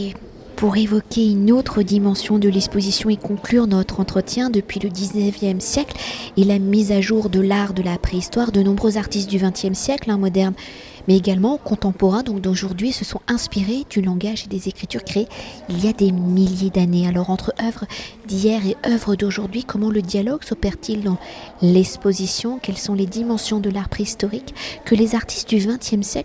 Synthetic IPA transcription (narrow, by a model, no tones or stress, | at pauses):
e | puʁevɔkʲeynot̪χəd̪imɑ̃sjɔ̃d̪əlɛkspozisjɔ̃ekɔ̃klyʁnɔt̪χɑ̃t̪χət̪jɛ̃d̪əpɥiləd̪iznəvjɛmsjɛklɛlamizaʒuʁd̪əlaʁd̪əlapχeist̪waʁd̪ənɔ̃bʁøzaʁt̪ist̪̚d̪yvɛ̃t̪jɛmsjɛklɛ̃mɔd̪ɛʁn | mɛeɡalmɑ̃kɔ̃t̪ɑ̃pɔʁɛ̃d̪ɔ̃k̚d̪oʒuʁd̪ɥisəsɔ̃ɛ̃spiʁed̪ylɑ̃ɡaʒed̪ezekχit̪yʁkχeːilijad̪emiljed̪anealɔʁɑ̃t̪χəʔœvʁd̪ijɛʁeœvʁəd̪oʒuʁd̪ɥikɔmɑ̃ləd̪jalɔɡsɔpɛʁt̪ild̪ɑ̃lɛkspozisjɔ̃kʲɛlsɔ̃led̪imɑ̃sjɔ̃d̪əlaʁpχeist̪ɔʁikːəlezaʁt̪i̥st̪̚d̪yvɛ̃t̪jɛmsjɛk